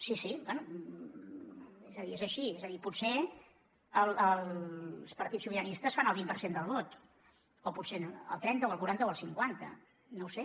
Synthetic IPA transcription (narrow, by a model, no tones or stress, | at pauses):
sisibwɛnu | ezəðiezəʃiezəðipuse | əlˠəlˠspəɾt̪isuβiɾənist̪əsfanəlˠβ̞impəɾsend̪əlˠβot̪ | opusenə̰lˠt̪ɾɛnt̪əoəlˠkuɾant̪əoəlˠsiŋkwant̪ə̰ | nowse